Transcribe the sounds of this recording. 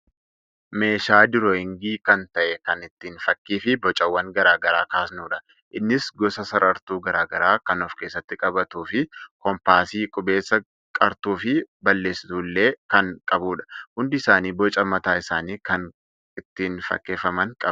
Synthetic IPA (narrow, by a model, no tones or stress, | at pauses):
me̞ːʃaːd̪ɪɾɔːɪŋɡiːkɐnt̪ɐʔɛkɐnɪt̪ːiːnfɐkːiːfɪbɔt͡ʃʼɐwːɐŋɡɐɾaːɡɐɾaːkaːsnuːᶑɐ | ʔɪnːɪsɡɔsɐsɐɾɐɾt̪uːɡɐɾaːɡɐɾaːkɐnɔfke̞ːsːɐt̪ːɪkʼɐbɐt̪uːfɪkɔmpaːsiːkʼʊbe̞ːsːɐ | kʼɐɾt̪uːfɪbɐlːe̞ːsɪ̥t̪uːlːe̞ːkɐŋkʼɐbuːᶑɐ̥hʊnd̪ɪɪsaːniːbɔt͡ʃʼɐmɐt̪aːɪsaːniːkɐŋ | ɪt̪ːiːnfɐ̰kːe̞ːfɐmɐŋkʼɐb